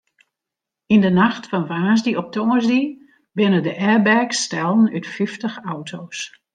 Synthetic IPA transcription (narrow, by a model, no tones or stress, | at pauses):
indənaxtfɔnvaːzdiɔp̚tɔŋəɹzdi | bɪnədəʔɛbɛrkstɛlˠnytfiftəxawtʰoːs